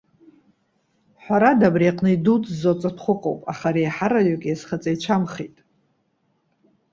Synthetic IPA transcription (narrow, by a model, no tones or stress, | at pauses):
ħʷaɾadabriaqʼnɨidutʰʼzot͡sʼatʰχʷʊqʼo̰wpʼa̰χaɾejħaɾajokʲʼjasχat͡sʼajt͡ʃʷʰamχḛjtʼ